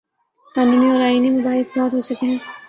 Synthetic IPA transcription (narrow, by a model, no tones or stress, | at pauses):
t̪aːnumiɔːɾaːiːnimʊbaːɦɪsbɔːt̪ɦot͡ʃʰʊkeɦɛ̃ː